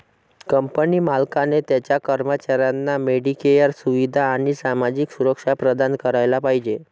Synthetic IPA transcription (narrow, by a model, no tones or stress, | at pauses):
kəmpənimalkanet̪jat͡ɕjakəɾmət͡ɕaɾjanːameɽikejəɾsuʋid̪ʱaːɽ̃isamad͡ʑiksuɾəkʂapɾəd̪ankəɾajlapaɦid͡ʑe